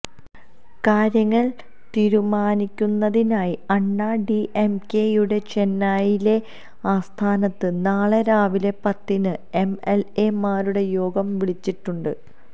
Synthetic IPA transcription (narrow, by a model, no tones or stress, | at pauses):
kaːɾjɐŋːɐɭ | t̪iːɾumaːnikʲːunːɐðinaːjiɐɳːaːɖiʔemke̞ːjuɽe̞t͡ɕe̞nːaːjile̞ | aːst̪ʰaːnɐt̪ːɨnaːɭeɾaːʋilepɐt̪ːinɨe̞melemaːɾuɽe̞jo̞ːɡɐmʋiɭit͡ɕːiʈːuɳɖɨ